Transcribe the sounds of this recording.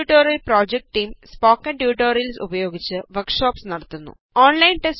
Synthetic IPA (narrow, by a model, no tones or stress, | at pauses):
ʈːoːɾjɐlproːd͡ʑek̚ʈʈːiːmspoːkːɐɳʈjuːʈːoːɾjɐlsubɐjo̞ːɡit͡ɕːɨʋɐrkʂoːpsnɐɽɐt̪ːunːṵ | oːnlɐjnʈes